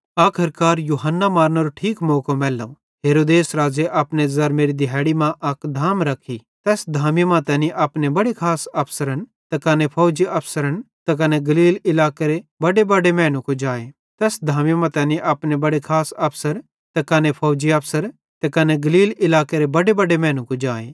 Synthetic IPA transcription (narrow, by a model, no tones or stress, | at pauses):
aːkʰɐɾkaːɾjuːɦənːamaːɾnɐɾoʈʰiːkmoːkomɛːlːo̰ | ɦeːɾoːd̪eːsɾaːd͡ʒeʔɐpnezɐɾmeːɾid̪ɪɦɛːɽimãʔɐkd̪ʱaːmɾɐkʰit̪ɛːsd̪ʱaːmimãt̪ɛːniʔɐpnebɐɽekʰaːsɐpʰsəɾəñt̪ɐkɐnepʰoːd͡ʒiɐpʰsəɾəñt̪ɐk̬ɐneɡɐliːlɪlaːkeɾebɐɽebɐɖemɛ̃ːñũkod͡ʒaːe | t̪ɛːsd̪ʱaːmjmãt̪ɛːniʔɐpnebɐɽekʰaːsɐpʰsəɾ | t̪ɐkɐnepʰoːd͡ʒiɐpʰsəɾ | t̪ɐkɐneɡɐliːlɪlaːkeɾebɐɽebɐɽemɛ̃ːñũkod͡ʒaːeː